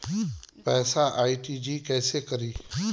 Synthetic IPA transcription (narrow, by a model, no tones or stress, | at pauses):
pɛːsaʔaːiːʈiːd͡ʒiːkɛːsekəɾiː